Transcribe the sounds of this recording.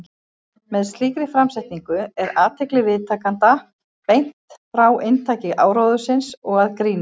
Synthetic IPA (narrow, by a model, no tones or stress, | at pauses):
mɛðst̪liːkɾɪfɾamsɛht̪niŋkʏɛɾaːt̪ʰɛklɪvɪðt̪ʰaːkant̪a | pejn̥tt̪fɾawʔent̪ʰaːcɪɣʔa̰ːwɾawðʏsɪnsɔɣaðkɾiːnɪ